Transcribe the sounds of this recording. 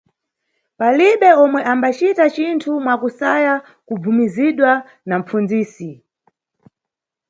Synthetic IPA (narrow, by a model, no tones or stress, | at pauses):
paliɓɛɔmwɛʔambat͡ʃitat͡ʃintʰumwakusaja | kub͡vumiziɗwa | nam̩p͡fund͡ziːsi